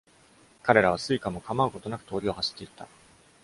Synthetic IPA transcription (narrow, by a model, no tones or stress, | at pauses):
kaɾe̞ɾaβ̞asɨikamo̞kamaɯ̟ko̞t̪o̞nakɯ̟̥t̪o̞ːɾʲio̞haɕi̥t̪ːe̞it̪ːa